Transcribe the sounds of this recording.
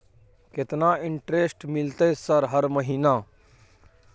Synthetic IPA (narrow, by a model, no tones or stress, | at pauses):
ket̪naɪɳʈɾesʈmɪlt̪esəɾɦəɾməɦiːna